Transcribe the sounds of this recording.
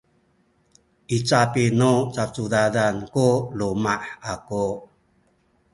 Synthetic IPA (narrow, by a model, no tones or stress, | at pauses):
ʔit͡sapinut͡sat͡sudadankulumaħaku